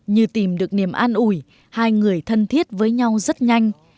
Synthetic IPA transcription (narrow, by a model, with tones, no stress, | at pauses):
ɲɨ˧t̪i˨˩mɗɨ˨˩ək̚ni˧˩əmʔaː˧nʔu˧˩j | haː˧jŋɨ˨˩əjt̪ʰə˧nt̪ʰi˦˥ət̚vəː˨˦jɲa˧wzə˦˥t̚ɲa˧jŋ̟